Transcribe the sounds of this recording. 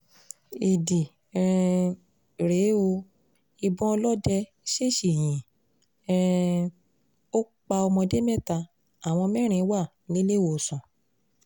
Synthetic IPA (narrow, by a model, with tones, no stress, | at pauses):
e˨di˨ | ɾe˨˦o˧ | i˧bɔ̃˦ɔ˧lɔ˦dɛ˧ | ʃe˦˨ʃi˨jĩ˨ | o˦ | k͡pa˧ɔ˧mɔ̃˧de˦mɛ̃˦˨ta˧ | a˨w̃ɔ̃˧mɛ̃˦ɾ̃ĩ˨˦wa˦˨ | nĩ˨˦le˦˨wo˨sɔ̃˨